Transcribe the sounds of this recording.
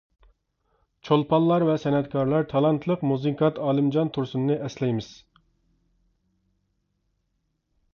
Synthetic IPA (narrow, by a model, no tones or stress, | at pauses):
t͡ʃʰolˠpʰɑlˠːɑɾvɛsɛnɛt̪kʰɑɾlˠɑɾt̪ʰɑlˠɑnt̪ʰlˠəqmuziŋkʰɑt̪ʰɑːlˠɨmd͡ʒɑnt̪ʰuɾsunɨnɨʔɛslɛjmɪz̥